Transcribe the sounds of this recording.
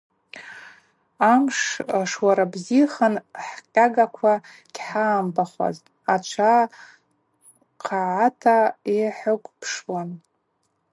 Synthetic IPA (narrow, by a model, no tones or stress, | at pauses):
amʂʂwaɾabziχanħqʲʼaɡakʷʰa | ɡʲħaːmbaχʷa̰ztʼ | at͡ʃʷʰa | qʰaʕatʰaeħʊkʷʼpʰʂwan